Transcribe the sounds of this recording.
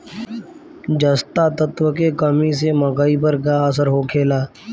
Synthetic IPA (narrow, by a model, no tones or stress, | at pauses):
d͡ʒəst̪at̪ət̪wəkekəmis̬eməɡaːipəɾkaəs̬əɾɦoːkʰeːlaː